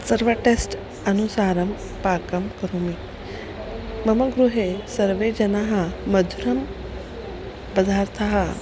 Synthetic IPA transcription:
sɐɾʋəʈesʈ | ɐnusaːɾɐm | paːkɐmkɐɾumi | mɐmɐɡɾuɦesɐɾʋed͡ʑɐnaɦɐmɐd̪ʱuɾɐm | bɐd̪ʱaɾt̪ʰaɦɐ

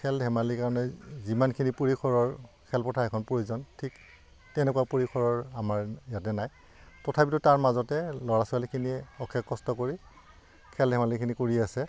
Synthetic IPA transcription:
kʰɛldʱɛmalikaɹɔnɛzimankʰinipuɹikʰɔɹɔɹkʰɛlpɔtʰaɹɛkʰɔnpoozɔntʰik | tɛnɛkuwapuɹikʰɔɹɔɹamaɹjatɛnaj | tɔtʰapitʊtaɹmazɔtɛlɔɹasɔalikʰiniɛɔkʰːɛkːɔstɔkoɹi | kʰɛldʱɛmalikʰinikoɹiasɛ

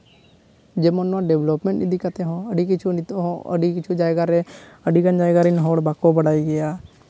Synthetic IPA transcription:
d͡ʒeːmənãɖeːʋlopmẽɳʈɪd̪ikət̪eɦõːəɖikɪt͡ʃʰuə̰ɖikɪt͡ʃʰuːd͡ʒaːeɡaɾeəɖiːɡənd͡ʒaːeɡaːɾinɦoːɽbaːkobəɽaːiːɡəjaː

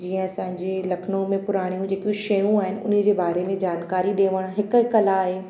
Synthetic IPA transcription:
d͡ʑiːə̃ɐsãːɪ̃ɲd͡ʑelɐkʰnõmẽpʊɾaːɽ̃ijũd͡ʑeːkjũʃɐjũaːɦɪnɪ̆ʊ̰nɪd͡ʑeːbaːɾemẽd͡ʑaːnkaːɾiɗeːʋəɽ̃ɦɪkkɐlaːɦeː

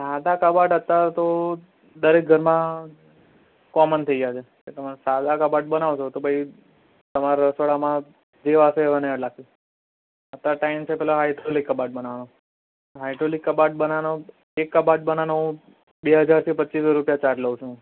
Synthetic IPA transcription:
sad̪akəbaʈət̪ːat̪o | d̪əɾek̚ɡʱəɾmã | kɔmənt̪ʰəiɡjat͡ʃʰe | ket̪əmasad̪akəbaʈ̚bənaʋt͡ʃʰot̪obʱəi | t̪əmaɾaɾəsʋəɭamã | d͡ʒeʋaseeʋəneəɽlak̚u | ət̪ːaʈaimt͡ʃʰepɛɦloɦajʈɾolikːəbaʈ̚bənaʋano | ɦajʈɾolikːəbaʈ̚bənano | ekːəbaʈ̚bənanoɦũ | beɦəd͡ʒaɾt̪ʰipətːisɾupjat͡ʃaɾʈləʋũt͡ʃʰũ

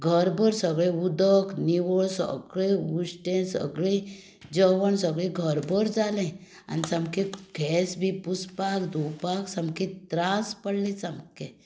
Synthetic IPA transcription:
ɡʱəɾbəɾsəɡɭẽud̪əkniwɔɭsə̰ɡɭeusʈẽsə̰ɡɭe | d͡ʒəʋənsəɡɭẽɡʱəɾbəɾd͡zaːlẽ | a̰nsɐmkekʰɛːsbʱipuspakd̪ʱupaːksɐmket̪ɾaːspəɽlisɐmke

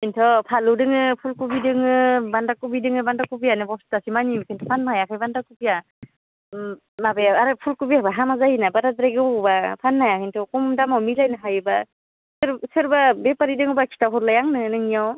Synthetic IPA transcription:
intʰɔpʰalɯdɯŋɯpʰulkubidɯŋɯbandakubidɯŋɯbandakupijanɯbɔstasimanimkʰɯntʰɔpʰanmajakʰajbandakupija | mabajaaɾɯpʰulkubiabaɦamazajinabaɾadɾajɡɯbapʰanmajakʰɯjntʰɔkɔmmdamawmilajnaɦajɯba | sɯɾsɯɾbabepaɾidɯŋɯbakʰi̥tawɦɔɾlajaŋnɯnɯŋijaw

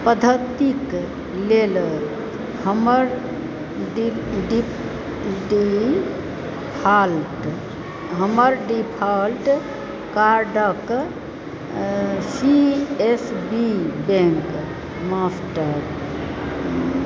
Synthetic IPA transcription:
pəd̪ʱət̪ik | lel | həməɾ | ɖi | ɖi | pʰalʈ | ɦəməɾɖipʰalʈ | kaɾɖək | siesbibẽŋk | masʈəɾ

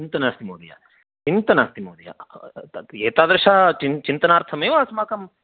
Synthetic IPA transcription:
t͡ʃint̪ɐnaːst̪imoːd̪ija̰ | t͡ʃint̪ɐnaːst̪imoːd̪ja̰ | eːt̪aːd̪ɾɐʂat͡ʃint͡ʃint̪ɐnaːɾt̪ʰɐmeːʋaːsmaːkɐm

